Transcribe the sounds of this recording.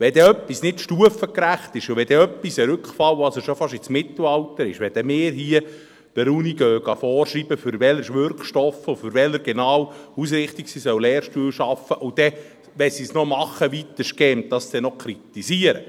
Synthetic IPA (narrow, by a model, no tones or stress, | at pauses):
ʋɛd̥̪ɛœpːisnɪtʃtuəfəkɾæχt̪ɪʃuʋɛd̥ɛœpːisəɾʏkχfɑlɑsəʃɔfɑʃɪt͡smɪt̪l̩ɑltəɾɪ̰ʃʋɛd̥ɛmɪːɾɦiə | d̥əɾuniɡ̥øːɡ̥ɑfɔːɾʃɾiːbəfʏɾʋɛləɾʃʋʏɾkχʃtɔfʊfʏɾʋɛləɾɡ̥enɑːwus̬ɾɪχt̪iksiːsœwlɛːɾʃtuːəlʃɑfəʔud̥ɛ | ʋɛsisnɔmɑχəʋit̪əʃkɛmtdɑsd̥̪ɛnɔkʰɾit̪isiəɾə̰